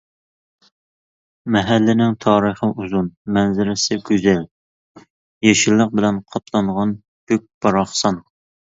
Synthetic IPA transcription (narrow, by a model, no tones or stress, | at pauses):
mɛɦælːɪnɪŋt̪ʰɑːɾəχəʔuzunmɛnzɪɾɪsɪɡʲøzɛl | jeʃɪlˠːəq̚bɪlɛnqʰɑp̪ʰlˠɑɴʁɑn | høk̚ʲb̥ɑɾɑχsɑn